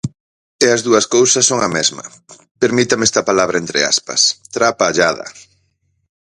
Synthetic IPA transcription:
eɐzðuɐskowsɐsːoŋɐmɛzmɐ̰ | peɾmit̪ɐmɛst̪ɐpalaβ̞ɾʔɐent̪ɾɪ̰a̰spɐ̰st̪ɾapaːʎaðɐ̰

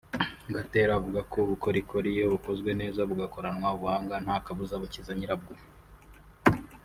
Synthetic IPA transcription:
ɡateːɾavuɡakʰo̞βuko̞ɾikʰoɾije̞βuko̞zɡwe̞ne̞ːzaβuɡako̞ɾanwaβuhaːŋɡan̥haːkaβuzaβucizaɲiɾab̚ɡo

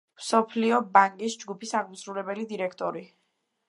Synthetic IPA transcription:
msɔpʰliɔbaŋkʼisd͡ʒɡupʰisaɡmusɾulɛbɛlid̪iɾɛkʰt̪ʼɔɾi

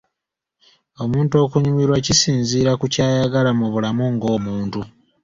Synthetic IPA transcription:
o̞muːnto̞ːkuɲumiɾwacisiːnziːɾakucaːjaɡalamuβulamuŋɡo̞ːmuːntu

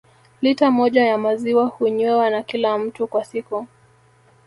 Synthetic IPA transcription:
litamɔʄajamaziwahuɲwɛwanakilam̩tukwasiku

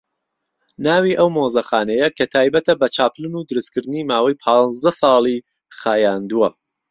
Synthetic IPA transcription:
naːwiːʔɐwmoːzɐxaːnɐjɐkʰɐt̪ʰaːjbɐt̪ʰɐbɐt͡ʃʰaːplɨnuːd̪ɨɾɨskɨɾd̪ɨniːmaːwɐjpʰɑːnzd̪ɐsɑːlˠi | χaːjaːnd̪uwɐ

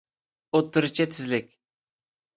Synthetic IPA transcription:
ot̪ːɨɾɨt͡ʃʰɛt̪ʰɪzlɪkʲ

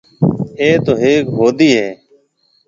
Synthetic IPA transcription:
eːt̪oːɦeːkɦoːd̪iːɦeː

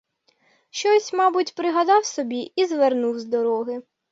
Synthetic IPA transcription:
ʃt͡ʃɔsʲmɑbʊtʲpɾɪɦɐd̪ɑwsɔbʲiizʋernuwzd̪ɔɾɔɦɪ

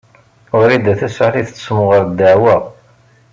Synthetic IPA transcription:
ʊɾid̪æθæsʕaliθə̥t͡ssmʊʁəɾd̪ːaʕwæ

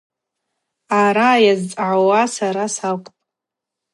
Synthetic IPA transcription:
aɾajazt͡sʼʕawasaɾasakʷʼpʼ

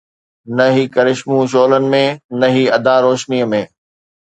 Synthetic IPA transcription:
nɐɦiːkɐɾɪʃmũʃoːlənɪ̆mẽnɐɦiːɐd̪aɾoːʃniə̆mẽː

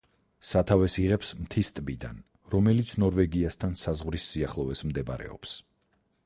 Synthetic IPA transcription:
sat̪ʰavɛsiʁɛpsmt̪ʰist̪ʼbid̪a̰n | ɾɔmɛlit̪sʰnɔɾvɛɡiast̪ʰansazʁvɾisːiaχlˠɔvɛsmd̪ɛba̰ɾɛ̰ɔ̰ps

